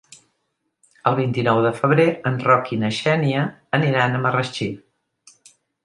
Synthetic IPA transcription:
əlˠβ̞int̪inɔwðəfəβ̞ɾeənrɔkinəʃɛniəːniɾanəmərət͡ʃi

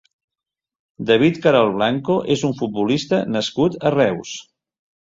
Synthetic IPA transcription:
d̪əβ̞it̪kəɾalˠβlaŋkoʔezuɱfut̪̚bulist̪ənəskut̪ərɛws

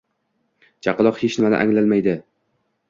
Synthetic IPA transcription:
t͡ʃʰɑqɨlˠɒqhet͡ʃnɪmanɪ̰ʔa̰ŋlalmajd̪ɪ

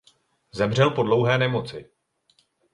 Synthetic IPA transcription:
zɛmr̝ɛlpo̞dlo̞wɦɛːnɛmo̞t͡sɪ

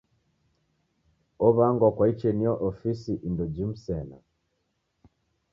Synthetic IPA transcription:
ɔβaŋɡwakwait͡ʃɛniɔʔɔfisiʔindɔd͡ʒim̩sɛna̰

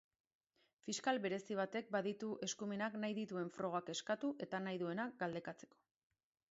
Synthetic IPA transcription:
fiskalβe̞ɾe̞siβ̞at̪e̞k̚baðit̪uʔe̞skume̞naknajðit̪ue̞ɱfɾo̞ɣ̞ake̞skat̪uʔe̞t̪anajðue̞nak̚ɡald̪e̞kat͡se̞̥ko̞̥

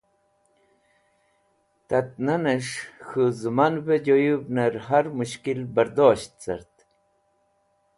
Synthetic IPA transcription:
t̪at̪̚naneʂxuzɨmanbed͡ʑojubnaɾɦaɾmuɕkilbəɾd̪oːɕt̪̚t͡sa̰ɾt̪

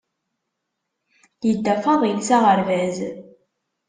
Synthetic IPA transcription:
jəd̪ːæfɑðˤilsæʁəɾvæz

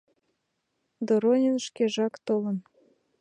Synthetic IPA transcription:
d̪oɾonʲənʃkeʒɑkt̪olə̆n

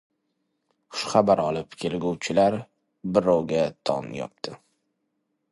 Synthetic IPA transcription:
χʊ̥ʃχabaɾɒlɪpkʲʰe̞lɡʲuwt͡ʃʰɪlaɾ | bɪɾɒwɡʲat̪ʰɒ̰njɒ̰p̚t̪ʰɪ

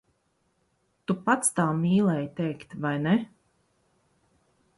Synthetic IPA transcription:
t̪upat̪st̪aːmiːlˠɛjt̪ɛjkt̪vajnɛ

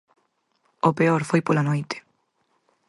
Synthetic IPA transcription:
opeoɾfojpolanojt̪e̥

